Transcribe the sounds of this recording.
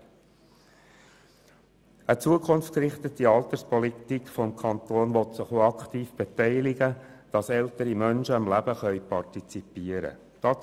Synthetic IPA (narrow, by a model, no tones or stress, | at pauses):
ət͡suəkʰʊnfkɾɪχt̪ət̪iɑlt̪əɾspɔlit̪ikfɔmkʰɑnt̪oːnʋɔtsɪχoɑkχt̪iːfb̥etɛɪlɪɡəd̥ɑsɛlt̪əɾimœnʃəɑmlæb̥əχœʏpɑɾtit͡sipiːəɾə̰ | d̥ɑ